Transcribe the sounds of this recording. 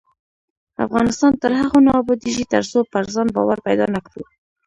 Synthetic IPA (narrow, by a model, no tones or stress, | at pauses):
a̰fɣɑnɪst̪ɑnt̪əɾhaɣonɑbɑd̪iʒit̪aɾsopaɾzɑnbɑ̰waɾpajd̪ɑ̰nakɽṵ